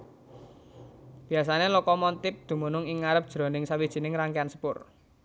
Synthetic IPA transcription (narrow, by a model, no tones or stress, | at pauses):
b̥i̤asanelɔkɔmɔnt̪ɪp̚d̪̥ṳmunʊŋɪŋːaɾəp̚ʒ̥ɾɔ̤nɪŋsawid̥ʒ̥i̤nɪŋraŋkeansə̥pʊr